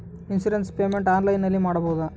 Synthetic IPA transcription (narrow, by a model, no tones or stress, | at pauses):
insuɾenspeːmeɳʈaːnlɐjnɐlːimaːɽɐbɐːud̪ɐ